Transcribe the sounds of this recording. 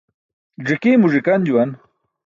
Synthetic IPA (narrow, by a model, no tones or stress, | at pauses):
ʐikimuʐikand͡ʑuwan